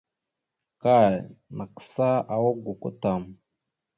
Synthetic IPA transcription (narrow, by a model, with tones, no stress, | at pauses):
ka˦˨jna˨ksa˦a˨wo˦ɡu˨ko̰˦ta˨m